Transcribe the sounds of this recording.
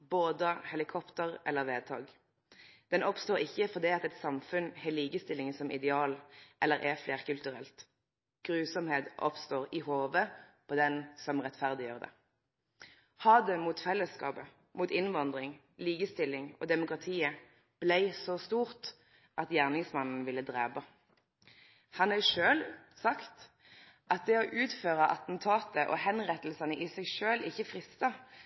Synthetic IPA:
boːd̪əhɛlɪkʰɔpt̪əʁɛlːəʁʋeːd̪̚t̪ʰɑ̰ːɡ | d̪̥ɛnɔpst̪oːʁɪçːəfɔʁd̪iːɑt̪ɛt̪sɑmfʉnhɛːliːkəst̪ɪlːɪŋəsɔmʔɪd̪ɛɑːlʔɛlːəʁʔɛfleːʁkʉlt̪ʉʁɛ̰lt̪ | ɡ̥ʁʉːsɔmheːt̪ʔɔ̰pst̪oːʁɪhoːʋəpʰɔd̪ɛnsɔmʁɛt̪fæʁd̪ɪjøːʁəd̪ɛ̰ | hɑːd̪ɛmuːt̪fɛlːəskɑ̰ːpə | muːt̪ɪnʋɑnd̪ʁɪŋ | liːkəst̪ɪlːɪŋɔ̰d̪ɛmʊkʁɑt̪ʰiːə | b̥lɛɪsɔst̪uːʁt̪ | ʔɑt̪jæʁnɪŋsmɑnn̩ʋɪlːəd̪ʁeːbɑ | hɑnɛʃøːlsɑkt̪ | ʔɑt̪̚d̪ɛɔʔʉːt̪føːʁəʔɑt̪n̩t̪ʰɑːt̪əʔɔ̰hɛnʁɛt̪l̩sɑnəʔɪsɛɪʃøːlʔɪçəfʁɪst̪ɑ

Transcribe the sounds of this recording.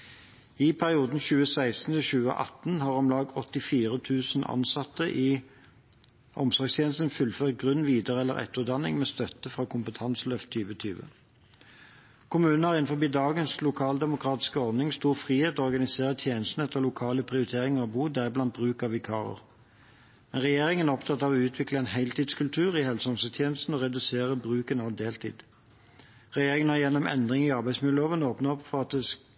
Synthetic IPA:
ɪpʰæʁɪuːd̪n̩çʉːəsæɪst̪n̩t̪ʰɪçʉːə̰ʔɑ̰t̪n̩hɑːʁɑmlɑːɡ̪̚ɔt̪ːɪfiːʁət̪ʰʉːsnʔɑ̰nsɑt̪ːəʔi | ʔɔmsɔʁɡst̪ʰjeːnəst̪nfʉlføːʁt̪̚ɡʁʉnːʋiːd̪əʁɛlːə̰ʁɛ̰t̪ːəd̪ɑnɪ̰ŋmeːst̪œt̪əfʁɑːkʰʊmpət̪ʰɑnslœft̪ʰːyːʋət̪ʰyːʋə̰ | kʰʊmʉːnn̩hɑʁɪnfɔbiːd̪ɑːɡənslʊkʰɑːld̪ɛmʊkʰʁɑːt̪ɪ̥skəɔʁd̪nɪŋst̪uːʁfʁiːheːt̪ɔɔʁɡɑnɪseːʁət̪ʰjeːnəst̪n̩ɛt̪ʰːəʁlʊkʰɑːləpʰʁɪʊʁɪt̪ʰeːʁɪŋəʁɔbuːd̪æblɑnt̪̚bʁʉːkɑʋɪkʰɑ̰ːʁə̰ʁ | mɛnʁɛjeːʁɪŋənæʁɔpt̪ʰɑt̪ːɑʋʉːt̪ʰʋɪkləɛnɦeɪlt̪iːd̪skʉlt̪ʰʉːʁɪhɛlsəɔnsət̪ʰjeːnəst̪n̩ɔʁɛd̪ʉseːʁəbʁʉːkənɑʋd̪eːlt̪ʰḭːd̪̥ | ʁɛjeːʁɪŋənhæʁjɛnːɔmʔɛ̰nd̪ʁɪŋiːɑʁbæɪsmɪd̪oːʋənoːpnɑɔpːfɔʁɑt̪̚d̪ɛs

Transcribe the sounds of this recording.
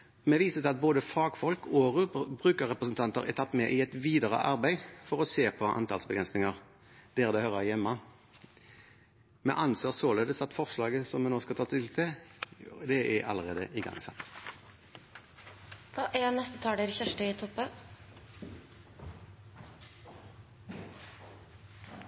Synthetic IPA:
mɛʋiːsət̪ɪɑt̪̚boːd̪əfɑːɡfɔlkoːʁʉbʁʉːkəʁɛpʁəsənt̪ʰɑnt̪əʁɛ̰t̪ʰɑt̪ːmɛʔɪɛt̪ʋiːd̪əʁə̰ʔɑʁbæɪfɔʁɔseːpʰɔʔɑ̰nt̪ɑ̰ːlsbəɡɾʁɛnsnɪŋəʁ | d̪̥ɛːʁəd̪ɛɪhœʁəʁjɛmːɑ | mɛ̰ʔɑnseːʁsoːleːd̪əsɑt̪fɔʁʂlɑːɡəsɔmɛnoːskɑlt̪ʰɑːt̪ʰɪlt̪ʰɪ | d̪ɛɛɑ̰ləʁeːd̪ə̰ʔɪɡɑ̰ŋsɑ̰t̪ː | d̪̥ɑːʔɛnɛst̪ət̪ʰɑːɛɾəçæʂʈəɪt̪ʰɔpːə

